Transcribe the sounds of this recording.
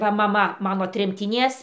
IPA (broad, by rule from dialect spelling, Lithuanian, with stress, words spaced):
ˈʋɐ mɐˈmɐ ˈmɑːnoː tʲrʲɛmʲtʲɪˈnʲiɛs